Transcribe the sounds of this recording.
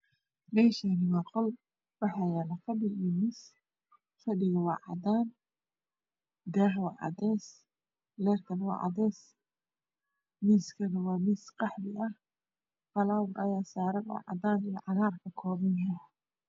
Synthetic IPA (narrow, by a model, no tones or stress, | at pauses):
lɛːʃanɪwɑːqɔl | wɑħɑjaːlɐfɐbɪlːmiːs | fɐɖɪɣɐwɑ̰ːʕɑ̰d̪aːn | d̪ɛːħwɑːʕɑ̰d̪ɛːs | lɛːrk̪ʰɐnwɑ̰ːʕɑ̰d̪ɛːs | miːskʰɐnɐwɑːmiːsqɑħbɪʔɐh | fɐlaːwʊɾʔɐjaːsaːɾɐɡwɑ̰ʕɑ̰d̪aːnij̰ʕɑɣaːrkʰɐkʰɔːβɐnkʰɐ